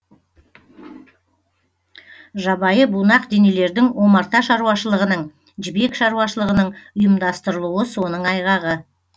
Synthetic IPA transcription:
ʒɑbɑjəbunɑqd̪e̞ne̞le̞ɾd̪ɪŋwo̞mɑɾt̪ɑʃɑɾuwɑʃəlˠəʁənəɴ | ʒɪbe̞kʃɑɾuwɑʃəlˠəʁənəɴʊjəmd̪ɑst̪əɾəlˠuəso̞nəɴɑjʁɑʁə

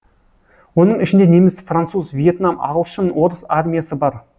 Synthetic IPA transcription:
wo̞nəɴɪʃɪnd̪e̞ne̞mɪsfrant̪suzvʲije̞t̪namɑ̰ʁəlˠʃənwo̞ɾəsarmʲijasəbɑɾ

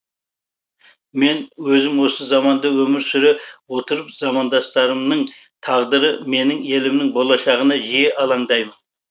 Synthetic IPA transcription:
me̞nwɵzɪmwo̞səzɑmɑnd̪əwɵmɪɾsʏɾewo̞t̪əɾəpzɑmɑnd̪ɑst̪ɑɾəmnəɴ | t̪ʰɑʁd̪əɾəme̞nɪŋe̞lɪmnɪŋbolˠɑʃɑʁənɑʒijeʔɑlˠɑɴd̪ɑjmən

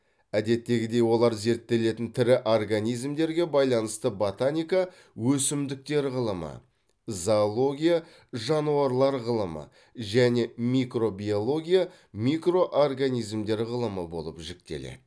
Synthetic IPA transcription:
æd̪e̞t̪ːe̞ɡʲɪd̪e̞jwo̞lˠɑɾze̞ɾt̪ːe̞le̞t̪ɪnt̪ʰɪɾɪʔorɡanʲijzmd̪e̞ɾɡʲe̞bɑjlˠɑnəst̪əbot̪anʲijka | wɵsɪmd̪ɪk̚t̪e̞ɾʁəlˠəmə̰ | zalˠo̞ɡʲija | ʒɑnuɑɾlˠɑɾʁəlˠəmə̰ | ʒæne̞mʲikro̞bʲio̞lˠo̞ɡʲija | mʲikro̞ʔorɡanijzmd̪e̞ɾʁəlˠəməbo̞lˠə̰pʒɪk̚t̪e̞̰lḛd̪ɪ

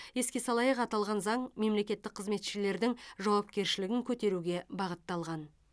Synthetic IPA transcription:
je̞skʲe̞sɑlˠɑjəqɑt̪ɑlˠʁɑnzɑɴme̞mle̞kʲe̞t̪ːɪk̚qʰːəzme̞t̪ʃɪle̞ɾd̪ɪŋʒɑwɑpkʲe̞ɾʃɪlɪɡʲɪŋkʲʰɵt̪e̞ɾuɡʲe̞bɑʁət̪ːɑlˠʁɑn

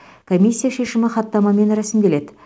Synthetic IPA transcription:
kʰo̞mʲisʲːijaʃe̞ʃɪmɪχɑt̪ːɑmɑme̞nɾɑsɪmkʲe̞le̞d̪ɪ

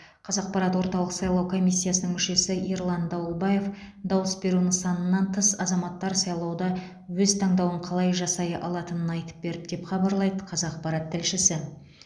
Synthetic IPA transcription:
qʰɑzɑq̚pɑɾɑt̪woɾt̪ɑlˠəqsɑjlˠɑwkʰo̞mʲijsʲːijasənəŋmʏʃe̞sɪʔiɾlˠɑnd̪ɑwəlˠbɑje̞fd̪ɑwəsbe̞ɾunɪŋsɑnənːɑnt̪ʰəsɑzɑmɑt̪ːɑɾsɑjlˠɑwd̪ɑ | wɵzt̪ʰɑɴd̪ɑwəɴqʰɑlˠɑjʒɑsɑjəʔɑlˠɑt̪ənənɑjt̪ə̥p̚be̞ɾɪp̚d̪e̞pχɑbɑɾlˠɑjd̪əqʰɑzɑq̚pɑɾɑt̪ʰːɪlʃɪsɪ

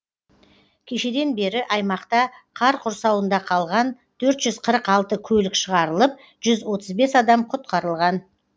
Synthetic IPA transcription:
kʲʰeʃe̞d̪e̞nbe̞ɾɪʔɑjmɑqt̪ɑqʰɑɾqʰʊɾsɑwənd̪ɑqʰɑlˠʁɑn | t̪ʰɵɾt̪ʒ̥ʏz̥qʰəɾəqɑlˠt̪əkʲʰɵlɪkʃəʁɑɾəlˠəp̚ | ʒ̥ʏzwo̞t̪əzbe̞sɑd̪ɑmqʰʊt̪̚qɑɾəlˠʁɑn

